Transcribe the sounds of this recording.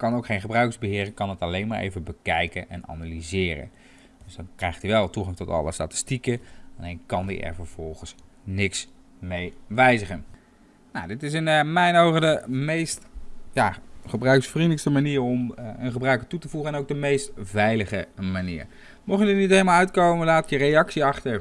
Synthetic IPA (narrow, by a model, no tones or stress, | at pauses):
kɑnowkχejnχəbrœɥkəzbəɦɪːrəkɑnətɑlejnmaːɹʔḛjvəbəkɛjkənʔɛ̰na̰nalizɪːɾə̰n | døsdɑnkrɛjχtiʋɛlˠtuχɑŋtɔtɑ̰lˠə̰sta̰ːtɪ̥stikəalnejnkɑndḭʔɛ̰ɹvəɹv̥ɔlˠχəns | nɪks | mejʋɛjzəχən | nowdɪtɪs̬ɪnmɛjnowχədəmejstjaːχəbrœɥksfridləkstəmaniːɹɔmənχəbrœɥkətutəvuχəɛnowɡ̚dəmejstvɛjləχəmaniːɹ | mɔχjədɪnitɦelˠmalˠœɥtkowməlaːtɪkjərejɑksiɑχtə